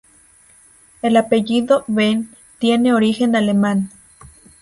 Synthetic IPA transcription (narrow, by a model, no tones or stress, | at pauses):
elapeʝiðoβen | t̪jeneoɾixenaleman